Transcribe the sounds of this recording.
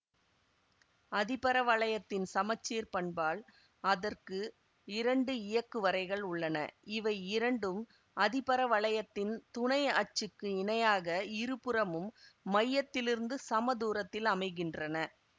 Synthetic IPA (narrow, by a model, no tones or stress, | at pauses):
ɐðɪpɐɾɐʋɐɭɐjɐt̪ːɪnsɐmɐt͡ʃːeːɾpɐɳbaːl | ɐðɐrkɯ | ɪɾɐɳɖɯɪjɐkːɯʋɐɾɐɪɣɐɭʊɭːɐnɐ̰ɪʋɐɪɪɾɐɳɖɯm | ɐðɪpɐɾɐʋɐɭɐjɐt̪ːɪnt̪ʊɳɐjɐt͡ʃːɯkːɯɪnɐjaːɣɐɪɾɯpɯɾɐmɯmːɐjːɐt̪ːɪlɪɾɯnd̪ɯsɐmɐðuːɾɐt̪ːɪlɐmɐɪɣɪndrɐnɐ